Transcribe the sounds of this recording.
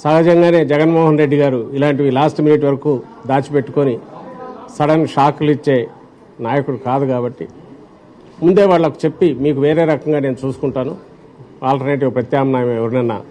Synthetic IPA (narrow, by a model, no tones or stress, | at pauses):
saːɦɐd͡ʒɐŋɡaːne̞ːd͡ʒɛɡɐnmɔːɦɐnɾe̞ɖːiɡaːɾuilaːɳʈ̬iʋilaːsʈminiʈ̬ːʋɐɾɐkuːd̪aːt͡ʃipe̞ʈːu̥ko̞ni | sɐɽɐnʂaːkulit͡ʃːe̞ː | naːjɐkuɽukaːd̪ukaːbɐʈːi | mund̪e̞ːʋaːɭːɐku̥t͡ʃe̞pːimiːkuʋe̞ːɾe̞ːɾɐkɐŋɡaːne̞ːnut͡ʃuːsu̥kuɳʈaːnu | aːlʈɐɾneʈ̬iːʋɐpɾɐt̪jaːmnaːjɐmɛʋɐɾunɐnːɐ̰